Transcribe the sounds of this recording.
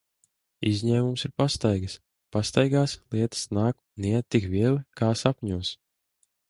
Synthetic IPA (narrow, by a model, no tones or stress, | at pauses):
izʲɲɛːmumsiɾpast̪ajɡs | past̪ajɡaːslˠiɛt̪ḁsnaːk | niɛtt̪ːikvʲiɛlˠikaːsapʲɲuɔs